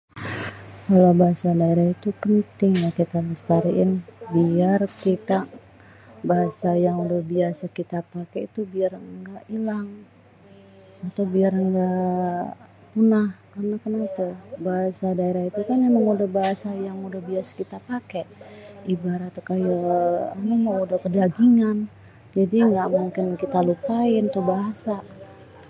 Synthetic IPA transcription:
kalawbaɦasadaeɾait̪upənt̪ɪŋjakit̪aləst̪aɾiʔɪnbiarkit̪a | baɦasajaŋudahbiasakit̪apakeit̪ubiarŋɡaʔilaŋ | at̪awbiarəŋɡaʔ | punahkarnakənat̪abaɦasadaeɾahit̪ukanjaməŋudahbaɦasajaŋudahbiasḁkit̪apakeʔibaɾat̪kajaanaməŋudahkədaɡiŋan | d͡ʒadiŋɡaʔmuŋkɪnkit̪alupaɪnt̪uhbaɦasa

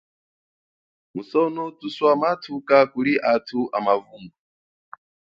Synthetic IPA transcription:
musɔnotuswamatʰukakuɾiʔatʰuʔa̰mavuŋɡu

